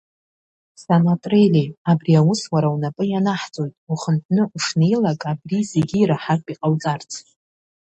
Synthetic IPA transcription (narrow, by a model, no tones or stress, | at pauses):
sanatʼrelʲeabriawʊswaɾawnapʼɨjanaħt͡sʼo̞jtʼuχəntʰnɨʔuʂnejlakʼabrizeɡʲiːɾaħakʼiqʼawt͡sʼart͡sʰ